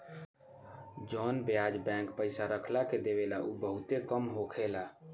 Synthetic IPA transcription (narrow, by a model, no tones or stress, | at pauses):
d͡ʒɔnbjad͡ʒbɛ̃kpəɪsaɾəkʰlaked̪eβelaʔubəɦut̪ekəmɦokʰela